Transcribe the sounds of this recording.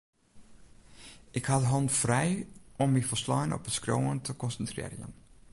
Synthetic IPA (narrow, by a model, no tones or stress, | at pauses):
ʔɪkhɑtəɦɔntfrɛjɔmːifəslɑjnɔ̰pətskro̰wəntəkɔnsəntrɪ̰ːrjə̰n